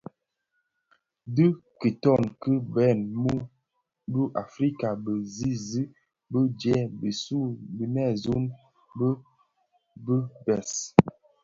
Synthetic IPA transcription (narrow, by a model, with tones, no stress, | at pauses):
də˦kə˨tɔ˦˨nkə˦bɛ˦˨nmu˦ | bə˦ʔa˨fɾi˦ka˨bə˨zi˦zi˦ | bə˦d͡ʒɛ˦bi˨su˦˨bi˨nɛ˦˨zu˦n | bə˦ | bə˦bɛ˨s